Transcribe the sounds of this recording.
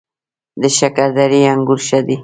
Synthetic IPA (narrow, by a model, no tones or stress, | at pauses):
d̪əʃakaɾd̪aɾiaŋɡʊɾʃad̪i